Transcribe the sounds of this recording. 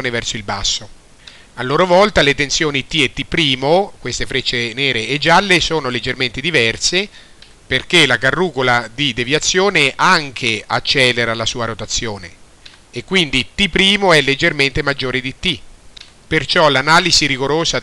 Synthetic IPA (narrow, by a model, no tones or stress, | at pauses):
nevɛrsoilba̰sːo | alːoːɾovɔlt̪alet̪ensjoːnit̪ːiet̪ːipːɾiːmokwest̪efɾet͡ʃːeneːɾeːd͡ʒːalːesoːnoled͡ʒːerment̪ed̪ivɛrse | perkelakarːuːkolad̪id̪evjat̪sːjoːneʔaŋk̟ʰea̰t͡ʃːɛːleɾalasuːaɾot̪at̪sːjoːnḛː | kːwind̪it̪ipːɾiːmoɛlːed͡ʒːerment̪emad͡ʒːoːɾid̪it̪ːi | pert͡ʃɔlanaːliziɾiɡoɾoːza